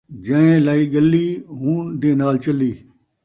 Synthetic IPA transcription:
d͡ʒə̃ːẽːlaːiːɡəlːiːɦũːd̪eːnaːlt͡ʃəliː

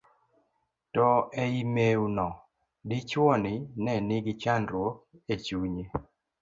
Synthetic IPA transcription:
tɔɛimeunɔ | dɪt͡ʃwɔnɪnɛnɪɡɪt͡ʃanɾwoket͡ʃuɲe

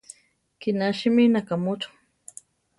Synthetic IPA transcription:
kɪnaʃɪmɪnakamʊt͡ʃʊ̥

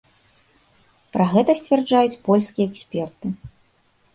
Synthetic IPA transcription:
pɾɐɣɛt̪ɐsʲt͡sʲvʲɛrd͡ʐajut͡sʲpɔlʲskʲijɛɛksʲpʲɛrt̪ɨ

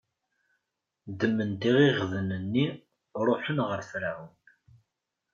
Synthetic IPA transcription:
d̪əmːənt̪iʁiʁðənənːi | ɾˤoħənʁəɾθɾæwən

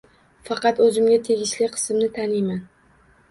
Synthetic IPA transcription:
fɑqɑt̪ɵzɪmɡʲat̪ʰeɡʲɪʃlɪqʰɨ̥sɪmnɪt̪ʰanɪjman

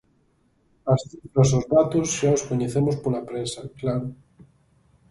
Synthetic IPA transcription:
ɐsθifɾɐsozðat̪osʃaoskoɲeθemospolapɾesaklaɾo

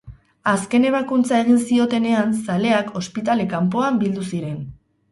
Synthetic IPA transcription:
aske̞ne̞β̞akunt͡sae̞ɣ̞insio̞t̪e̞ne̞ansale̞ako̞spit̪ale̞kamp̬o̞ambild̪usiɾe̞n

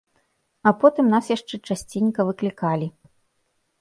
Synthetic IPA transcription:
ɐpɔt̪ɨmnasjaʂt͡ʂɛt͡ʂasʲt͡sʲinʲkɐvɨklʲikalʲi

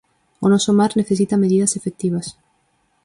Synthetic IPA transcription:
onosomaɾne̞θe̞s̬it̪ame̞ðiðasefek̚t̪iβas

